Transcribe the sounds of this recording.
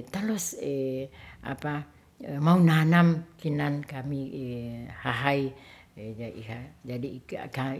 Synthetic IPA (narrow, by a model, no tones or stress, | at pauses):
t̪alɔsəʔa̰pa | maunanamkinankami | haɦaj | d͡ʒaihad͡ʒadḭka